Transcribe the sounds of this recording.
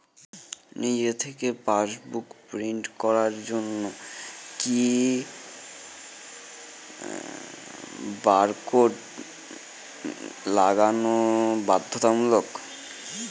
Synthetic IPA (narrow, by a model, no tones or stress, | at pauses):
nid͡ʑet̪ʰekepaʃbukpɾiɳʈkɔɾaɾd͡ʑonːoki | baɾkoɖ | laɡanobad̪ʱːot̪amulok